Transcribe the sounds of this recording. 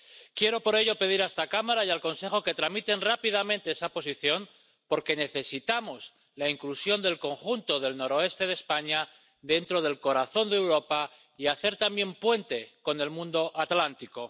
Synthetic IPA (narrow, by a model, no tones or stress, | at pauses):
kje̞ɾo̞po̞ɾe̞ʎo̞pe̞ðiɾaest̪akamaɾajalko̞nse̞xo̞ke̞t̪ɾamit̪e̞nrapiðamẽ̞nt̪e̞esapo̞s̬iθjo̞m | po̞ɾke̞ne̞θe̞sit̪amo̞s | laiŋklusjo̞nd̪e̞lko̞ŋxunt̪o̞ð̞e̞lno̞ɾo̞e̞st̪e̞ð̞e̞spaɲa | ðe̞nt̪ɾo̞ð̞e̞lko̞ɾaθo̞nd̪ewɾo̞pa | iaθe̞ɾt̪ambje̞mpwe̞nt̪e̞ko̞ne̞lmũnd̪o̞ʔat̪lant̪iko̞